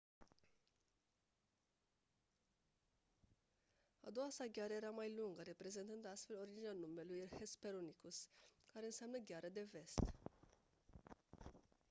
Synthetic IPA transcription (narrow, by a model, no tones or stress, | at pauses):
a̰d̪o̞wasaɡʲaɾəe̞ɾamajluŋɡəɾe̞pɾe̞zent̪ɨnd̪ast̪fe̞lo̞ɾid̪d͡ʒinanume̞lujhespe̞ɾonikuskaɾe̞ɨnseamnəɡʲaɾəd̪e̞ve̞st̪